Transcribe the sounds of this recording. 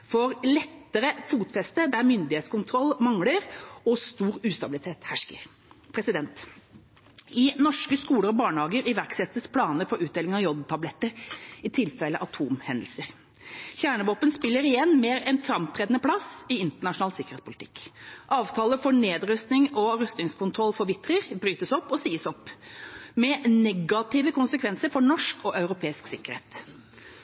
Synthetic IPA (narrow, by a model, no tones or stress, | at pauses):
fɔɾlɛt̪ːəɾəfuːt̪fɛst̪əd̪æɾmʏnd̪ɪheːt̪skʊnt̪ʰɾɔlːmɑŋləɾɔst̪uːɾʉːst̪ɑbɪlɪt̪ʰeːt̪hæʂkə | pʰɾɛsɪd̪ɛnt̪ | ɪnɔʂkəskuːləɾɔbɑːɳhɑːɡəɾɪʋæɾksɛt̪ːəspʰlɑːnəfɔɾʉːd̪eːlɪŋɑjɔd̪t̪ʰɑblɛt̪ːəɾɪt̪ʰɪlfɛlːəʔɑt̪ʰuːmhɛnd̪əl̩səɾ | çæːɳəʋoːpənspɪlːəɾɪjɛnːmeːɾɛnfɾɑmt̪ʰɾeːd̪ənəpʰlɑsɪɪnt̪əɳɑʂʊnɑːlsɪkəɾetspʰʊlɪt̪ʰɪ̥kːʔɑːʋt̪ʰɑːləfɔɳeːd̪ɾʉst̪nɪŋɔɾœst̪ɪŋskʰʊnt̪ʰɾɔlfɔɾʋɪt̪ːɾəɾbɾyːt̪əsɔpːɔsiːəsɔpː | mɛnɛɡɑt̪ɪːʋəkʰʊnsəkʰʋɛnsəɾfɔɳɔʂkɔʔɑʉɾʊpʰeːɪsksɪkːəɾhḛːt̪